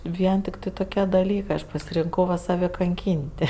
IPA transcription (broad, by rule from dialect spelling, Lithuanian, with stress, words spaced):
ˈʋʲiɛn ˈtʲɪktɜ toːˈkʲiɛ dɐˈlʲiːkɜ ˈɐʃ pɐsʲɪrʲɪŋˈkɐʊ ʋɐ sɐˈʋʲɛ kɐŋʲˈkʲiːnʲtʲ